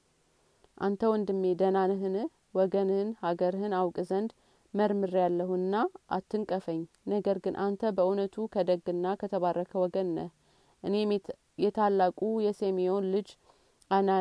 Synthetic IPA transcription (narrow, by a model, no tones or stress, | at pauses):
ʔa̰nt̪ʰəwnd̪ɨmːed̪ənanɦɨnɨh | wɔɡənhɨnhaɡəɾhɨnawkʼzənd̪ | məɾmɨɾjalːəhunːaʔa̰t̪ːɨŋkʼəfəɲː | nəɡəɾɡɨnʔant̪ʰəbəʔunət̪ʰukʰəd̪əɡɨnːakʰət̪ʰəβarːəkʰəwɔɡənːəh | ʔɨne | jɛt̪ʰalːakʼujɛsemio̞nlɨd͡ʒ | ʔana